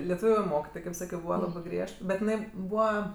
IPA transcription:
lʲɛˈtuːʋʲʊ ˈmoːkʲɪtoːj kɐɪp ˈsɑːkʲoː ˈbuːʋɐ ˈlˠɑːbɜ ˈɡrʲiɛʃt bʲɛt ɪˈnɐɪ ˈbuːʋɐ

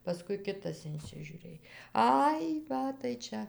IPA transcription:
pɐˈskʊɪ ˈkʲɪtɐs ɪnʲsʲɪʒʲʊˈrʲeːj ˈɐɪ ˈʋɐ tɐɪ ˈt͡ʃʲɛ

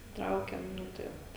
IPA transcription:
ˈtrɐʊkʲɛm ˈnʊ tɐɪ ˈʋɐt

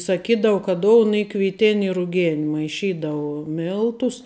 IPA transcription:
sɐˈkʲiːdɐʋʊ kɐ ˈdoːʊn ˈiː kʋʲɪˈtʲɪn ɪ rʊˈɡʲɛn mɐɪˈʃʲiːdɐʋʊ ˈmʲɪlˠtʊs

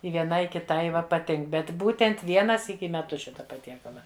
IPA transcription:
ɪ ʋʲiɛˈnɐɪ ɪ kʲɪˈtɐɪ ˈʋɐ pɐˈtʲɪŋk bʲɛt ˈbuːtʲɛnt ˈʋʲiɛnɐ ˈsʲiːkʲɪ ɪ mʲɛˈtʊs ˈʃʲɪtɐ pɐˈtʲiɛkɐlˠɐ

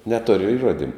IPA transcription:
nʲɛˈtoːrʲɪ ɪˈruɔdʲɪmʊ

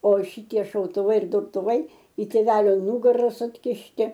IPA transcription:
oː ˈʃʲɪtʲiɛ ʃɐʊtʊˈʋɐɪ ɪr dʊrtʊˈʋɐɪ ɪ tʲeːˈʋʲæːlʲoː ˈnʊɡɐrɐ sʊkʲɪʃʲˈtʲɪ

